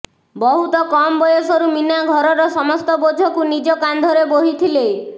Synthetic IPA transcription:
bɔɦut̪ɔkɔmbɔjɔsɔɾuminjaɡʱɔɾɔɾɔsɔmɔst̪ɔbod͡ʒʱɔkunid͡ʒɔkand̪ʱɔɾeboɦit̪ʰilej

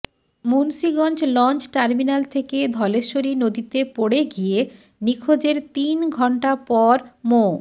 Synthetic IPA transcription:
munsiɡɔnt͡ɕlɔnt͡ɕʈaɾminalt̪ʰeked̪ʱɔleʃoɾinod̪it̪epoɽeɡije | nikʰod͡ʑeɾt̪inɡʱɔɳʈapɔɾmo

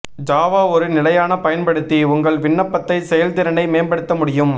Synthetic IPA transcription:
d͡ʒaːʋaːɔɾɯnɪlɐjaːnɐpɐjɐnpɐɽɯt̪ːiʊŋɡɐɭʋɪɳːɐpːɐt̪ːɐɪsɛjɐlt̪ɪɾɐɳɖɐɪmeːnbɐɽɯt̪ːɐmʊɽɪjɯm

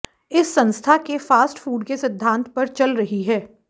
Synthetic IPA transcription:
ɪsːɐ̃nst̪ʰakefaːsʈfuːɖkesɪd̪ʱːãːnt̪pɐɾt͡ʃɐlɾɐɦiɦɛː

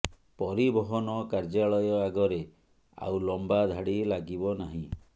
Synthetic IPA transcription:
pɔɾibɔɦɔnɔkaɾd͡ʒaɭɔjɔaɡɔɾe | a̰wlɔmbad̪ʱaɽilaɡibɔnaɦĩ

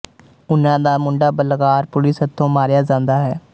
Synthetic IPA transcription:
ʊnãːd̪aːmʊɳɖaːbəlɡaːɾpʊlɪsət̪ʰːõːmaːɾejaːd͡ʒãːnd̪aːɦɛː

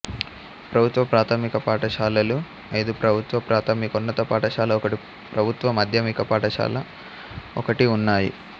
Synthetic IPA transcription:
pɾɐbʱut̪ʋɐpɾaːt̪ʰɐmikɐpaːʈɐʃaːlɐlu | ɐjd̪upɾɐbʱut̪ʋɐpɾaːt̪ʰɐmikunːɐt̪ɐpaːʈɐʃaːlɐɔkɐʈi | pɾɐbʱut̪ʋɐmɐd̪ʱjɐmikɐpaːʈɐʃa̰ːlɐ | ɔkɐʈiunːaːjḭ

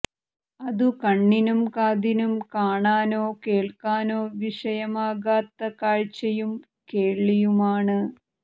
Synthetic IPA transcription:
ɐðukɐɳːinumkaːd̪inumkaːɳaːnoːkeːɭkaːnoːʋiʂɐjɐmaːɣaːt̪ːɐkaːɻt͡ɕːɐjum | keːɭːijumaːɳɨ

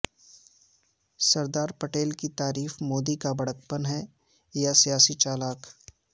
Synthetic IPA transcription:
sɐɾd̪aːɾpɐʈeːlkit̪aːɾiːfmoːd̪ikabɐɽək̚pənɦɛ | jasijaːsit͡ʃaːlaːk

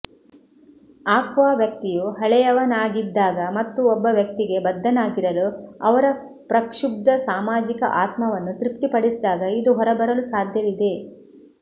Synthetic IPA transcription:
aːkʋaːʋjɐk̚t̪ijuɦɐɭɛjɐʋɐnaːɡid̪ːaːɡɐmɐt̪ːuɔbːɐʋjɐk̚t̪iɡe̞bɐd̪ːɐnaːɡiɾɐluɐʋɐɾɐ | pɾɐkʂub̚d̪ɐsaːmaːd͡ʒikɐ̰ʔaːt̪mɐʋɐnːut̪ɾipt̪ipɐɽisid̪aːɡɐid̪uɦɔɾɐbɐɾɐlusaːd̪ʱjɐʋid̪e̞

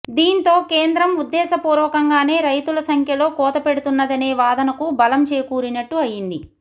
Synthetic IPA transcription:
d̪iːnt̪o̞ːkeːnd̪ɾɐmud̪ːɛːsɐpuːɾʋɐkɐŋɡaːne̞ːɾɐjt̪ulɐsɐŋkʰjɐlo̞ːkɔːt̪ɐpeɽut̪unːɐd̪ɐne̞ːʋaːd̪ɐnɐkubɐlɐmt͡ʃeːkuːɾinɐʈːuɐjind̪i

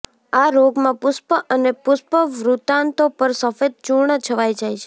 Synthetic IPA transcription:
aɾoɡmãpʊspəʔənepʊspəʋɾut̪ant̪opəɾsəfed̪̚t͡ʃuɳət͡ʃʰəʋajd͡ʒajt͡ʃʰe̥

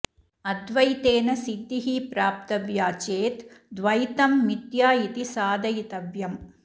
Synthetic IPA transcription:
ɐd̪ʋɐjt̪eːnɐsit̪iɦipɾaːp̚t̪ɐʋjaːt͡ʃeːt̪d̪ʋɐjt̪ɐmːit̪jaːjit̪isaːd̪ɐjit̪ɐʋjɐm

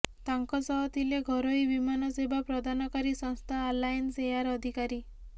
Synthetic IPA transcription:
t̪aŋkɔsɔɦɔt̪ʰileɡʱɔɾoibimanɔsebapɾɔd̪ʱanɔkaɾisɔŋst̪ʰaːlajnsejaɾɔd̪ʱikaɾi

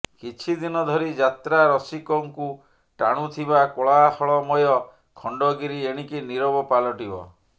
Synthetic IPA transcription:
kit͡ʃʰid̪inɔd̪ʱɔɾid͡ʒat̪ɾaɾɔsikɔŋku | ʈa̰ɽ̃ut̪ʰiβakoɭahɔɭɔmɔjɔ | kʰɔɳɖɔɡiɾieɽ̃ikiniɾɔbɔpalɔʈibɔ̰

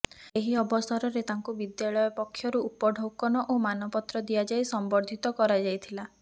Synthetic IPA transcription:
eɦiɔbɔsaɾɔɾet̪aŋkubid̪jaɭɔjɔpɔkʰːjɔɾuupɔɖʱowkɔnɔʔomanɔpɔt̪ɾɔd̪ijad͡ʒajsɔmbɔɾd̪ʱit̪ɔkɔɾad͡ʒajt̪ʰila

